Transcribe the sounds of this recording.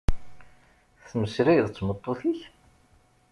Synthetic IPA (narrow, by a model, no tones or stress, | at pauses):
θməsɾæjðt͡sːmət̪ˤːoθiç